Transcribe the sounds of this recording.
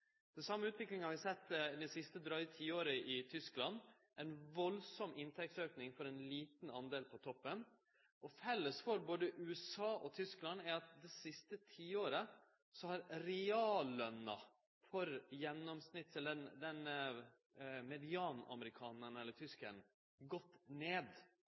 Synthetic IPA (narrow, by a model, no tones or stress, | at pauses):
d̪̥ɛnsɑmːəʉːt̪ʰʋɪklɪŋəhɑʋɪsɛt̪ːd̪ɛɪsɪst̪əd̪ɾœʏt̪ʰiːoːɾəʔɪt̪ʰʏsklɑn | ʔɛɪnʋɔlsɔmɪnt̪ʰɛk̚t̪søːknɪŋfɔɾɛnliːt̪n̩ɑnd̪eːlpʰɔt̪ʰɔpːən | ʔɔfɛlːəsfɔɾboːd̪əʔʉːɛsɑːʔɔt̪ʰʏsklɑnæɾɑt̪̚d̪ɛsɪst̪ət̪ʰiːoːɾə | sɔhɑɾɾɛɑːlənə | fɔɾjɛnːɔmsnɪt̪ːɛlɛnd̪ɛn | mɛd̪ɪɑːnɑ̰məɾɪkʰɑːnəɳɛlːət̪ʰʏskən | ɡɔt̪ːneːd̪